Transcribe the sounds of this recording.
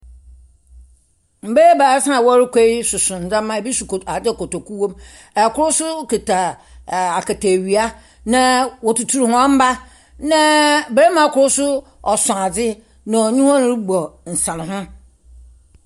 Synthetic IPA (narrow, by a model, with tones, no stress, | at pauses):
m̩˨be˦ba˨a˦sã˦˨wɔ˦ɾɪ˦kʷʰe˦i˦sʊ˨sʊ̃˨n̩˨d͡zã˦mː˦ã˦˨bi˦su˨ko˨ta˨dɪ˦˨kɔ˨tɔ˨ku˦wõ˦m | ɛ˨kʰʊ˦ɾʊ˦sʊ˦ke˨tʰa˨ | a˨ka˨tʰe˨ɥi˨a˦ | nã˨wɔ˨tu˨tʰu˨ɾhʊ̃˦ã˦m̩˦ba˦ | nã˦be˨ɾe˦mã˨˦kʰʊ˨ɾʊ˦sʊ˦ | ɔ˨sɔ̃˨a˨d͡zɪ˦ | nã˨ɔ˨ɲũ˦hã˦ñ˦ɾi˦ɡ͡bɔ˨n̩˨sã˨nɪ̃˨ɦʊ̃˦